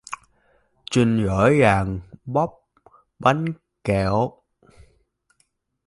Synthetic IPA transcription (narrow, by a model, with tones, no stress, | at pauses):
t͡ɕi˧ŋɣə̰ː˧˨˦jɣaː˨˩ŋɓɔ˦˥p̚ | ɓa˨˦jŋ | kɛ˧˩w